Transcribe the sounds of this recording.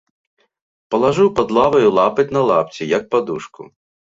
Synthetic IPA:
pɐlˠɐʒɪwpɐd̪lˠaʋɐjʊlˠapɪtʲnɐlˠapt͡sʲijɐk̚pɐd̪uʂkʊ̰

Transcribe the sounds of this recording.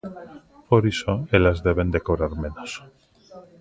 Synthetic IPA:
poɾisoelazðeβ̞end̪ekoβɾaɾmẽnos

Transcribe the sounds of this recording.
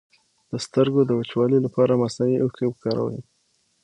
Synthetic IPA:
d̪̥əst̪əɾɡod̪əwət͡ʃwɑləlapɑɾamasaniʔokewkɑɾa̰w̰i

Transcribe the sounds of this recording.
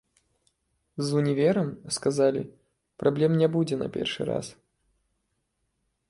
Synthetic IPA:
zunʲivʲɛɾɐmskazalʲḭ | pɾʔablʲɛmnʲɛbud͡zʲɛnɐ̰pʲɛ̰rʂɨ̰ɾa̰s

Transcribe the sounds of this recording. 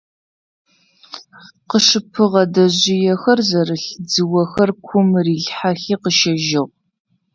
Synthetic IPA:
qəʂɨpʰɨʁɐdɐʑɪjɛxɐrzɐɾɨɬd͡zɨwɐxɐrkʷʰʊmriːɮħaxiːqəʃɐʒɪʁʷ

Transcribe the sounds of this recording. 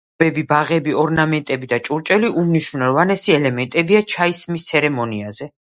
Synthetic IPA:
bɛbibaʁɛbiɔɾnamɛnt̪ʼɛbid̪at͡ʃʼuɾt͡ʃʼɛliʔumniʃunɛvanɛsiɛlɛmɛnt̪ʼɛbiat͡ʃʰaismist̪sʰɛɾɛmɔniazɛ

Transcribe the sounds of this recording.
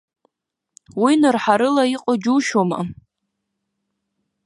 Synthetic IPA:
winɨrħaɾɨlaiqʼad͡ʒuʃoma̰

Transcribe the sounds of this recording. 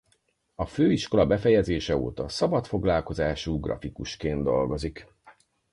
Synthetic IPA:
ɒføːiʃko̞lɒbɛfɛjɛzeːʃɛo̰ːt̪ɒsɒbɒt̪fo̞ɡlaːlko̞zaːʃuːɡrɒ̰fikuʃkeːnd̪o̞lɡo̞zik

